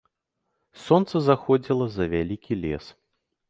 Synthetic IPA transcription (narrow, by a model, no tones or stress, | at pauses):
sɔnt̪sɐzaxɔd͡zʲilˠɐzɐvʲalʲikʲilʲɛ̰s